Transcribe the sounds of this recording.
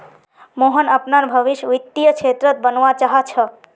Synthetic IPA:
moɦənəpnaɾbʱəʋiʃʋit̪ːijəkt͡ʃʰet̪ɾət̪̚bənʋat͡ʃaɦat͡ʃʰə

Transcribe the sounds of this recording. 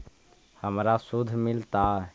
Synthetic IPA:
həmɾasud̪ʱmɪlt̪a

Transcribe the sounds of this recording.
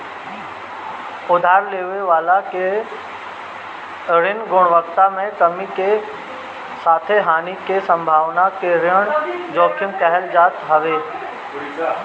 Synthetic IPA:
ʊd̪ʱaːɾleːʋeʋaːlake | ɾɪnɡʊɽ̃ʋəkt̪amẽkəmike | saːt̪ʰeɦaːnikesɐ̃mbʱaːʋnakeɾɪəɽ̃d͡ʒɔːkʰɪmkɛɦɛld͡ʒaːt̪ɦɐʋeː

